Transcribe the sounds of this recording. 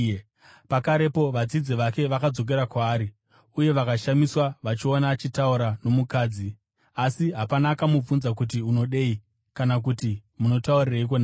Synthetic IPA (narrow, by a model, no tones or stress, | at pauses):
pakaɾe̞po̞ʋad͡zid͡ziʋake̞ʋakad͡zo̞k̬e̞ɾakwaːɾi | uje̞ʋakaʃamiswaʋat͡ʃionaːt͡ʃitauɾano̞mukaːd͡zi | asiɦapanaːkamup͡funzak̬ut̬iuno̞ɗei | kanak̬utimuno̞tauriraik̬o̞na